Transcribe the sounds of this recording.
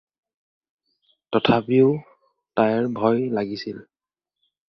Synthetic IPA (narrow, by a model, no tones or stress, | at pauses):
tɔtʰapiʊ | tajɛɹbʱɔjlaɡisil